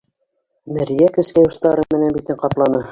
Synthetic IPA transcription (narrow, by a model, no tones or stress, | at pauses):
mɘ̆ɾijækɘ̆skæjust̪ɑɾɤmɘ̆nænbit̪ɘɴqɑplˠɑnɤ